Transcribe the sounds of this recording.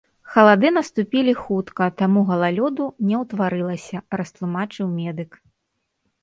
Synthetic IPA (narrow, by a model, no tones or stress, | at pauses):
xɐlˠad̪ɨnɐst̪upʲilʲixut̪kɐt̪amuɣɐlˠalʲɔd̪unʲɛwt̪vaɾɨlˠɐsʲɐɾɐst̪lˠumat͡ʂɨwmʲɛd̪ɨk